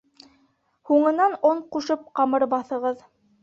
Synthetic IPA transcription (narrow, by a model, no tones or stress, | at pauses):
huɴɤ̆nɑnoɴquʃɤp̚qɑmɤɾbɑθɤ̆ʁɤð